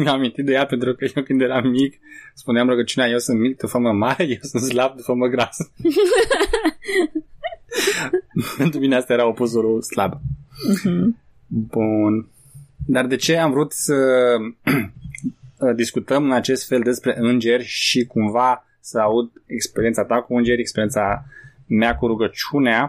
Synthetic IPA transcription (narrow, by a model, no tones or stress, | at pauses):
mjaamĩnt̪it̪̚d̪e̞jape̞nt̪ɾukəjewpind̪ejeɾamːik | spuneamɾoɡət͡ʃiuneaje̞wsɨnt̪mik̚d̪ufəməmaɾeje̞wsɨnt̪slab̚d̪ufəməɡɾas | pe̞nt̪ɾumineast̪ajeɾaopusuluslab | bun | d̪ard̪e̞t͡ʃe̞amvɾut̪sə | d̪iskut̪əmɨnat͡ʃe̞st̪fe̞ld̪e̞spɾe̞ʔɨnd͡ʒe̞rʲʃikumva | səaud̪e̞kspe̞ɾient̪sat̪akuɨnd͡ʒe̞ɾʲekspe̞ɾie̞nsa | meakuɾuɡət͡ʃunea